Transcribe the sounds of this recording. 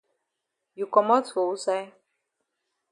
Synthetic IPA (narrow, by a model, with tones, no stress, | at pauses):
ju˨kɔ˨mɔ˦two˨u˦sa˦j